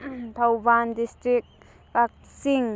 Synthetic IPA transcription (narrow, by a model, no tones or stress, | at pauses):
t̪ʰawbandistɾik̚ | kak̚ | siŋ